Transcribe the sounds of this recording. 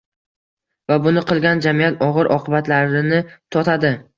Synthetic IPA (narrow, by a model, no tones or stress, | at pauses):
vabʊnɪqɨlˠɡʲand͡ʒamijat̪ɒʁɨɾʔɒ̰qʰɨbat̪laɾɪnɪt̪ʰɒt̪ʰad̪ɪ